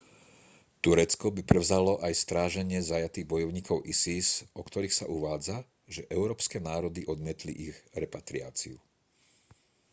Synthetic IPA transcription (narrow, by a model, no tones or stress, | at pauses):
t̪uɾɛt͡skɔbipɾɛʋʊzalɔʔajst̪ɾaːʒɛɲɪɛzajat̪iːɣbɔjɔʊɲiːkɔʊʔisisɔkt̪ɔɾiːxsaʔuʋaːd͡za | ʒɛʔɛʊɾɔːpskɛnaːɾɔd̪iʔɔd̪mɪɛt̪lḭʔiɣɾɛpat̪ɾia̰ːt͡sḭu